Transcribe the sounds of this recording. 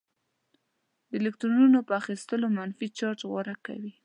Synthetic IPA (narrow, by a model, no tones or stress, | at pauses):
d̪əelɪk̚t̪ɾununopəaxist̪əlomanfit͡ʃɑɾʈɣwaɾaka̰wi